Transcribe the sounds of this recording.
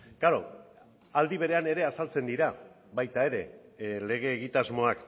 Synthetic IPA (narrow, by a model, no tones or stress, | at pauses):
ɡ̥aɾo̞̰ | ald̪iβ̞e̞ɾe̞ane̞ɾe̞asalt͡se̞nd̪iɾa | βajt̪ae̞ɾe̞le̞ɣ̞e̞ːɣit̪azmo̞ak